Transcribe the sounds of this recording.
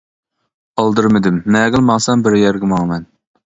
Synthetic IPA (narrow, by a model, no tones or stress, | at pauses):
ɑlˠd̪ɨɾmɪd̪ɪmnɛːɡʲɪlˠmɑŋsɛmbɪɾjɛɾɡʲɪmɑŋmɛn